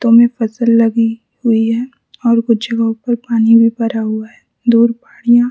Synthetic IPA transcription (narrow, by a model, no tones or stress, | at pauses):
t̪omẽfɐsəlːɐɡi | hʊiɦɛː | ɔːɾkʊt͡ʃʰd͡ʒɐɡəɦõpɐɾpaːnibʱibɐɾaɦʊaɦɛ | d̪uːɾpaːɽijã